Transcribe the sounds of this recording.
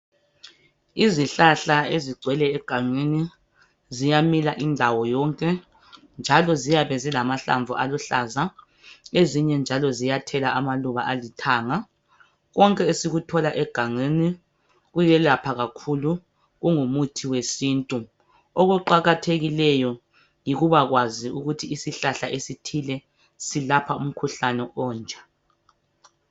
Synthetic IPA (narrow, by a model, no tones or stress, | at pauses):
iziɬaɬaeziɡ͡ǀʱwɛlɛːɡ̥ʱaŋeni | zijamilaʔindʱawɔjɔŋkʼɛ | nd͡ʒʱalɔzijaβɛzilamaɬa̰ɱvʱṵʔaluɬaza | eziɲɛnd͡ʒʱalɔzijatʰɛlaʔamaluβaʔalitʰaːŋa | ɣɔŋkʼɛesiɣutʰɔlaʔɛɡ̥ʱaŋeni | ɣujɛlapʰaɣakʰulu | ɣuŋumutʰiwesiːntʼu | oɣuǃaɣatʰeɣilɛjɔ | jiɣuβaɣwaziuɣutʰiːsiɬaɬaʔesitʰilɛ | silapʰaum̩kʰuɬanɛʔɔːnd͡ʒʱa